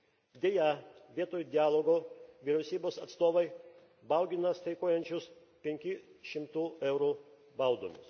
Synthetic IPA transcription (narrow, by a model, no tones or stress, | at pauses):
d̪ʲeːjɛʋʲiɛt̪oːjud̪ʲɪɑːlˠoɡoːʋʲiɾʲɛʊsʲiːboːsɐt̪st̪oːʋɐɪ | bɐˑʊɡʲɪnɐst̪ɐɪkoːjɛnʲt͡ʃʲʊs | pʲɛŋʲkʲɪʃʲɪmt̪uːɛʊɾuː | bɐʊd̪o̰ːmʲʊs